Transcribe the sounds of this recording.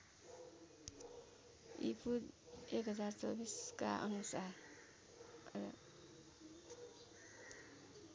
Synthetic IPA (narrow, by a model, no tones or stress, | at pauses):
ipʰud̪ekɦʌd͡zart͡sʌbiskaʔʌ̰nusar